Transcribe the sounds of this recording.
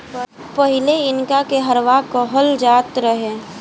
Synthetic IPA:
pəɦɪleɪnkakeɦəɾʋakɔɦəld͡ʒaːt̪ɾəɦeː

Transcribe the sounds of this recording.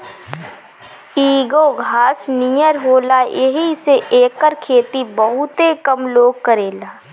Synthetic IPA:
iːɡoɡʱaːsnijəɾɦoːlajeɦiseʔeːkːəɾkʰeːt̪ibəɦʊt̪ekəmloːɡ̚kəɾeːlaː

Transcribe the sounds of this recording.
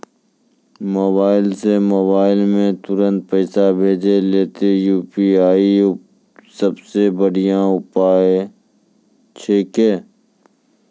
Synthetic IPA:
mobaːɪlsemoːβaːɪlmẽt̪ʊɾə̃nt̪̚pəːsabʱeːd͡ʒeleːt̪ejuːpiaːi | səbsebəɽijãʊpaːe | t͡ʃʰeːkeː

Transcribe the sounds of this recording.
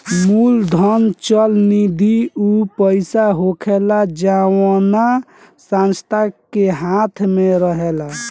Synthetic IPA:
muld̪ʱənt͡ʃəlnid̪ʱiupəɪsaɦokʰelad͡ʒawana | sãnst̪ʰakeɦãt̪ʰmeɾəɦela

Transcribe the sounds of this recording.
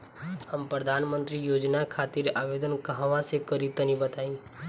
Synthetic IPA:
həmpɾəd̪ʱaːnmə̃nt̪ɾijoːd͡ʒnakʰaːt̪iɾaːʋeːd̪ənkəɦəʋãsekəɾit̪ənibət̪aːĩː

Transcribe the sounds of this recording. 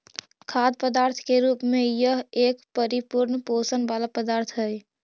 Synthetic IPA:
kʰad̪̚pəd̪aːɾt̪ʰkeɾuːpmejəɦeːkpəɾipuɾnposənbalapəd̪aːɾt̪ʰɦəj

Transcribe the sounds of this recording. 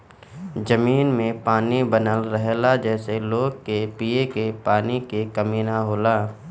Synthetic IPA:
d͡ʒəmiːnmẽpaːnibənəlɾɛɦlad͡ʒɛːseloːɡ̚kepiːekepaːnikekɐmiːnaɦoːlaː

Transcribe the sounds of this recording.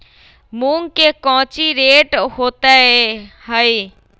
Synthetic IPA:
mũːŋkekɔ̃ɦt͡ɕiɾeːʈhoːt̪ahəe

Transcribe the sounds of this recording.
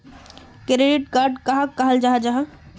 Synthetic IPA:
kɾeɖɪʈkaːɾɖkɐɦakɐɦəld͡ʒaɦad͡ʒaɦa

